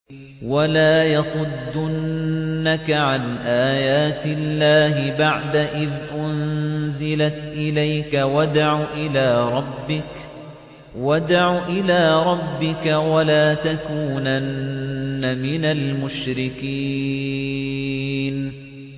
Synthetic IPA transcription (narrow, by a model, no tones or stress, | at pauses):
walaːjɑsˤʊd̪ːʊnnːakaʕanʔaːjaːt̪ɪlːaːɦɪbaʕd̪aʔɪðʔʊnzɪlat̪ʔɪlajkawad̪aʕuːʔɪlaːɾˤɑbːɪk | wad̪aʕuːʔɪlaːɾˤɑbːɪkawalaːt̪akuːnanː | amɪnalmʊʃɾɪkiː | n